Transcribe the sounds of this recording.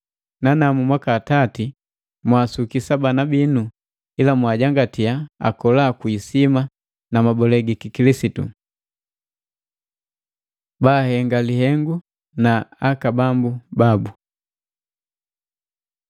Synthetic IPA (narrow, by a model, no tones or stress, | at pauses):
nanamumwakaːtati | mwasukisabanabinu | ilamwaɟaŋɡatiaa̰kɔlaːkuisima | namabɔlɛɡikikilisitṵ | baːhɛŋɡalihɛŋɡu | naakabambubabu